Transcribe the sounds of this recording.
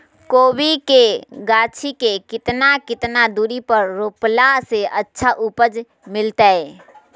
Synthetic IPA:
koːbikeɡaːt͡ʃʰikekɪt̪nakɪt̪nad̪uːɾipəɾːoːplaseʔɐtːʃʰaʔʊpəd͡ʒ | mɪlt̪aɦɛː

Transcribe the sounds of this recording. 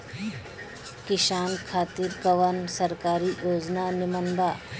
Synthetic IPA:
kiʃaːnkʰaːt̪iːɾkəʋansɐɾkaːɾiːjoːd͡ʒnanimənba

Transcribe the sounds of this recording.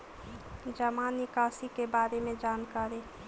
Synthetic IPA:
d͡ʒəmanɪkaːsikebaːɾemẽd͡ʒaːnkaːɾe

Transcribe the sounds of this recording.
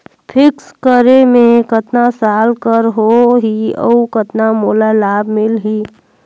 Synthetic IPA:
pʰɪkskəɾemẽkət̪nasaːlkəɾɦoɦiə̰ukət̪namoːlalaːbmɪlɦiː

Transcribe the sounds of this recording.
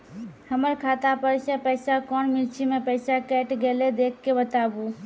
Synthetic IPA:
həməɾkʰat̪apəɾsẽpəjsakɔnmilt͡ʃʰimepəjsakɛʈɡeled̪ekʰːebət̪abu

